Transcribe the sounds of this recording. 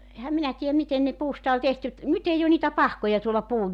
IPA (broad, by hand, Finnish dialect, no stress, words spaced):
ehæm minæ tiːæm miten ne puːstɑ olʲ tehty et nyt ei o niːtæ pɑhkojɑ tuolɑ puːj